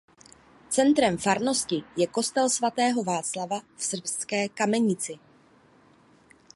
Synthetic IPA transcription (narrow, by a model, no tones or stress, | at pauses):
t͡sɛnt̪ɾɛmfaɾno̞scɪjɛko̞st̪ɛlsvat̪ɛːɦo̞vaːt͡slavafsr̩pskɛːkamɛɲɪt͡sɪ